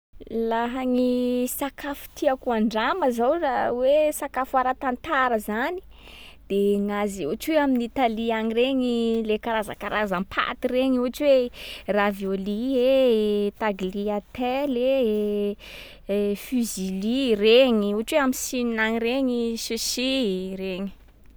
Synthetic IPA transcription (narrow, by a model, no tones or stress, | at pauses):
laɦaŋisakʰafu̥t̪ʰiakuaɳɖ͡ʐaməzawrawesakafuaɾat̪ant̪aɾəzani̥ | d̪̥eŋazuat͡ʃweaminit̪aliaɲireɲilekaɾaza̰kaɾazampʰa̰t̪ireɲuaʈ͡ʂweravjoliet̪aɡliat̪ɛle | fyzilireɲiuaʈ͡ʂweamisininaŋireɲisusireɲi̥